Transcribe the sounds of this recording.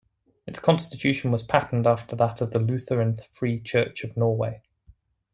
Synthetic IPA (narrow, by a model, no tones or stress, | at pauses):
ɪtskʰɒ̃nstɪt͡ʃʰʉˑʃə̃nwɒz̥pʰaʔn̩dɑˑftəðətʰəvðəlʉˑθəɹə̃nθfɹiːt͡ʃʰɜˑt͡ʃəvnɔːweɪ